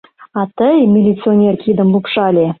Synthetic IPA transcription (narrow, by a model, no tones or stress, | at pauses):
ɑt̪əjmʲilʲit̪sɨonʲerkʲid̪əmlˠupʂɑlʲe